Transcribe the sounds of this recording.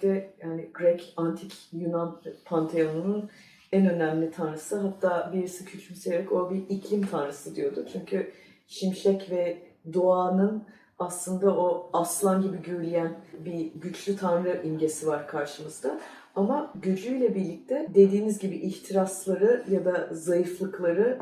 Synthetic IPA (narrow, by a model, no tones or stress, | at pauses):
t̪ɛjaːnɪɡɾɛcʰant̪ʰicʰjunanpʰant̪ʰeonunun | ɛnø̞næmlʲit̪ʰanɾɯsɯɦat̪ʰːaːbiɾisicʰyt͡ʃʰmysevɛco̞biicʰlʲimt̪ʰanɾɯsɯd̪ijo̞d̪ut͡ʃʰyɲcʰy | ʃimʃɛcvɛ | d̪oaːnɯn | aslˠɯnd̪aʔo̞aslˠanɟibiɟyɾlʲijænbiɟyt͡ʃlʲyt̪ʰanɾɯʔinɟe̞sivaɾkʰaɾʃɯmɯzd̪a | amaɟyd͡ʒlʲyjlʲɛbiɾlʲic̚t̪ʰɛd̪e̞d̪iːnizɟibiʔiçt̪ʰiɾaslˠaɾɯjad̪azajɯflˠɯklˠaɾɯ